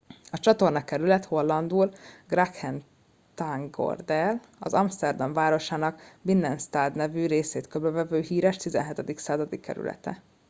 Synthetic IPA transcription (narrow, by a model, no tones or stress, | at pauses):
ɒt͡ʃɒt̪o̞rnɒkɛɾylɛt̪ho̞lːɒnd̪uːlɡrakhɛn | t̪aŋɡo̞̰rd̪ɛl | ɒ̰zɒmst̪ɛrd̪ɒɱvaːɾo̞ʃaːnɒkbinːɛnst̪aːd̪nɛvyːɾeːseːt̪købɛvɛvøːɦiːɾɛʃt̪izɛ̰nɦɛt̪ɛd̪iksaːzɒd̪ikːɛ̰ɾy̰lɛ̰t̪ɛ̰